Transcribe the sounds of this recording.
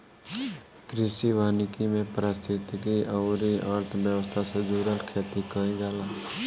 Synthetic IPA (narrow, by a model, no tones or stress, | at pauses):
kɾɪsiʋaːnɪkimẽpɾəst̪ʰɪt̪kiʔəʊɾiaɾt̪ʰbjəʋəst̪ʰasəd͡ʒuːɾəʈkʰeːt̪ikəĩɡaːlaː